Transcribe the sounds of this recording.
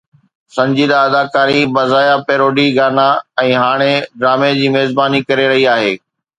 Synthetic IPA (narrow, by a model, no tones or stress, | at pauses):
sɐ̃ɲd͡ʑiːd̪aɐd̪aːkaːɾibɐzaːjapeːɾoːɖiɡaːnaɛ̃ːɦaːɽ̃eɖɾaːmed͡ʑiːmeːzbaːnikɐɾeɾɐɦiaːɦeː